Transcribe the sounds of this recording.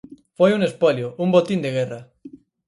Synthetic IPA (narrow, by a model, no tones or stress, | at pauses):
fojunespoljoumbot̪ind̪eɣ̞era